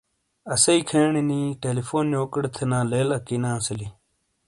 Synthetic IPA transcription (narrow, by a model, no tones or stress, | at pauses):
ɐsɐikʰeːɳiniːʈeːlifoːnjoːkəɽt̪ʰenãːleːlɐkiːnãːsɐli